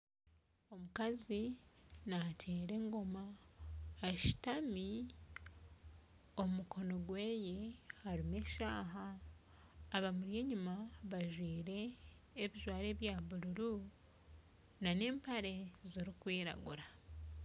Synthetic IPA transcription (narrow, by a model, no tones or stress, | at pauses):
o̞mukazinatʰe̞ːɾe̞ŋɡo̞ma | eʃi̥tami | o̞mumukʰo̞no̞ɡwe̞ːje̞haɾimeʃaːɦaː | βamuɾje̞ɲumaβaʒwiːɾe̞ː | βiʒwaːɾe̞ːβjaːβuɾuɾu | nane̞ːmpaɾe̞ziɾikwiːɾa̰ɡuɾa